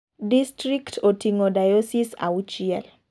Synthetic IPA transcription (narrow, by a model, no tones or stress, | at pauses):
distɾiktʰotiŋodajosisa̰ut͡ʃiɛl